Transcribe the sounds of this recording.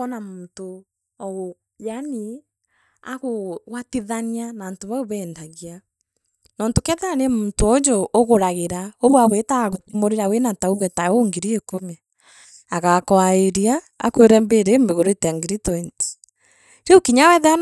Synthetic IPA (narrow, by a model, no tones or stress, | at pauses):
ɔnamoto | ɔɣo | jani | a̰ɣoɣwatiðanianantoβaoβɛːndaɣia | nɔːntokɛðɛanemoːntoɔd͡ʒɔʔoɣoɾaɣeɾaoβwaβetaɣotmoɾeɾawenatauɣɛtaoŋɡeɾiekomɛ | aɣakɔaeɾia̰ː | kweɾɛmbeɾemeɣoɾetaŋɡɾitɔinti̥ | ɾeokiɲawɛðɛa